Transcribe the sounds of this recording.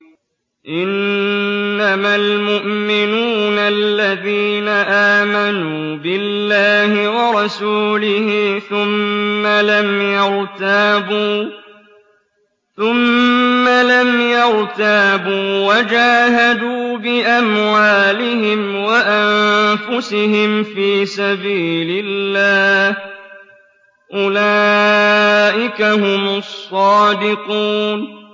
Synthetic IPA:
ʔɪnː | amalmʊʔmɪnuːnʔalːaðiːnaʔaːmanuː | bɪlːaːhɪwɑɾˤɑsuːlɪhɪθʊmːalamjɑɾt̪aːbuː | θʊmːalamjɑɾt̪abuːwad͡ʒaːɦad̪uːbɪʔamwaːlɪɦɪmwaʔanfʊsɪɦɪmfiːsabiːlɪlːaːh | ʔʊlaː | ʔɪkahʊmʊsˤːɑːd̪ɪquːn

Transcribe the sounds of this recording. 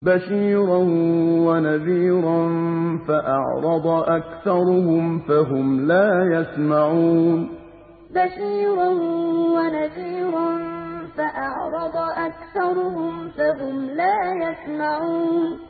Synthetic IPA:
baʃiːɾanwanaðiːɾˤanfaʔɑ̰ʕɾˤɑd̪ˤɑʔakθɑɾˤʊhʊmfaɦʊmlaːjasmaʕuːn | baʃiːɾˤanwanaðiːɾanfaʔɑʕɾˤɑd̪ˤɑʔakθɑɾˤʊhʊmfaɦʊmlaːjasmaʕuːn

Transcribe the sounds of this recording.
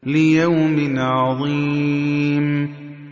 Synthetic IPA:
lɪjawmɪnʕɑðˤiː | m

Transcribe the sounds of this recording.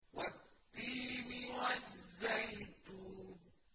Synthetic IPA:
wat̪ːiːmɪwazːajt̪u

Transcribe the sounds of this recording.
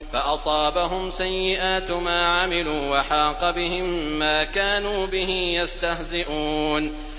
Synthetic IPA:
faʔɑsˤɑːbaɦʊmsajːɪʔaːt̪maːʕamɪluːwaħɑːqɑbɪhɪmːaːkaːnuːbɪɦɪmjast̪ahzɪʔuːn

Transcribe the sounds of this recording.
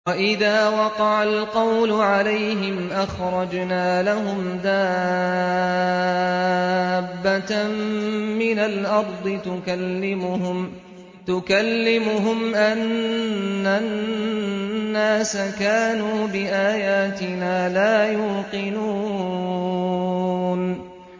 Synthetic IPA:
waʔɪðaːwɑqɑʕalqɑwlʊʕalajɦɪmʔaxɾˤɑd͡ʒnaːlaɦʊmd̪aː | bːat̪ | mɪnalʔɑɾˤd̪ˤɨt̪ʊkalːɪmʊhʊm | t̪ʊkalːɪmʊɦʊmʔanː | a | nːaːsakaːnuːbɪʔaːjaːt̪ɪnaːlaːjuːqɪnuː | n

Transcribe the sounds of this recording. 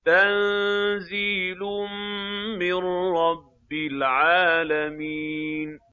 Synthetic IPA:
t̪annziːlʊmmɪnɾɑbːɪlʕaːlamiːn

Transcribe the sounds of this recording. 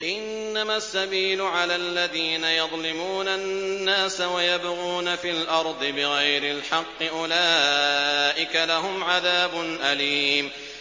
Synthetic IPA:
ʔɪnːamasːabiːlʊʕalalːaðiːnajɑðˤlɪmuːnanːaːsawajabɣuːnafiːlʔɑɾˤd̪ˤɨbɪɣajɾɪlħɑqːɨʔʊlaː | ʔɪkalaɦʊmʕaðaːbʊnʔaliːm

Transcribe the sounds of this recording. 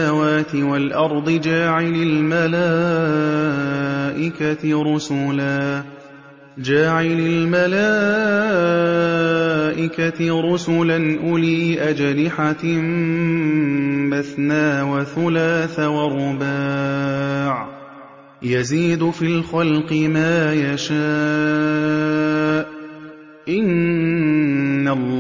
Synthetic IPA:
awaːt̪ɪwalʔɑɾˤd̪ˤɨd͡ʒaːʕɪlalmalaː | ʔɪkaɾʊsʊlaː | d͡ʒaːʕɪlalmalaː | ʔɪkaɾˤʊsʊlanʔʊliːʔad͡ʒlɪħam | baθnaːwaθʊlaːθawɑɾˤʊba | ʕ | jaziːd̪ʊfiːlxalqɪmaːjaʃa | ʔ | ʔɪn | alː

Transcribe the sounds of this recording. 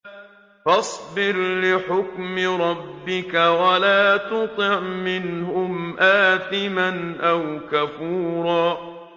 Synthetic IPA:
fɑsˤbɪɾlɪħʊkmɪɾˤɑbːɪkawalaːt̪ʊt̪ˤɨʕmɪnhʊmʔaːθɪmanʔawkafuːɾˤɑː

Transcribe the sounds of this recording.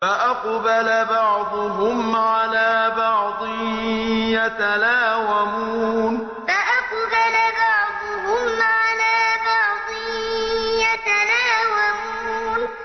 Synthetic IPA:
faʔaqbalabɑʕd̪ˤʊɦʊmʕalaːbɑʕd̪ˤɨ | jat̪alaːwamuːn | faʔaqbalabɑʕd̪ˤʊɦʊmʕalaːbɑʕd̪ˤɨ | jat̪anaːwamuː | n

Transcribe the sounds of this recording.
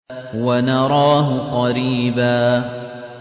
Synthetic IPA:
wanɑɾˤɑːɦʊqɑɾiːbaː

